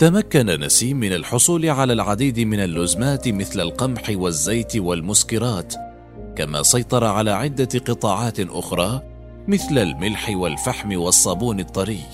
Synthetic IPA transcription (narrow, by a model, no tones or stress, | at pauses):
t̪amakːanana̰siːmːɪnalħʊsˤuːlɪʕalaːlʕad̪iːd̪ɪmɪnalːʊzmaːt̪ɪmɪθlalqɑmħɪwazːajt̪walmʊskɪɾɑːt̪ | kama̰ːsˤɑjt̪ˤɑɾˤɑʕalaːʕɪd̪ːaqɨt̪ˤɑːʕɑːt̪ʔʊ̰xɾˤɑː | mɪθlalmɪlħɪwalfaħmɪwɑsˤːɑbuːnɨt̪ˤːɑɾiːq